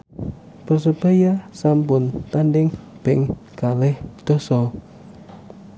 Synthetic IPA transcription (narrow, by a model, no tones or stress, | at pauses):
pərsəb̥ajasampʊnt̪anɖɪŋb̥ɛŋkalɛhd̪̥ɔ̤sɔ